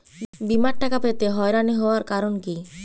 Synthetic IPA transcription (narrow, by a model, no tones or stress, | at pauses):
bimaɾʈakapet̪eɦɔjɾaniɦɔoaɾkaɾonki